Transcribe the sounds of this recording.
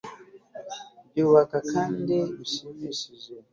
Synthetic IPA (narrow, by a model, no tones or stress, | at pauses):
biwakakʰandeusimisizɔ